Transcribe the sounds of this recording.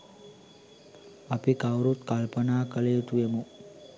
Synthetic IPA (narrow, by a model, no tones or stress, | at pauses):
əpikawɾut̪kalpənaːkəlet̪uemu